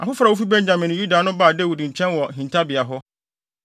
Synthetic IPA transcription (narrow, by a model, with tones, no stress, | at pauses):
a̰˨fʊ˦fɾa˨wo˦fi˦bɛ̃˦ɲd͡ʑã˨mɪ̃˨ñ˨ju˦da˨nʊ̃˦baː˨de˦˨wu˨dɲ̩˨t͡ɕʰɛ̃˦nwɔ˨ɦĩ˨n˨tʰa˦bɪ˨a˨ɦɔ˦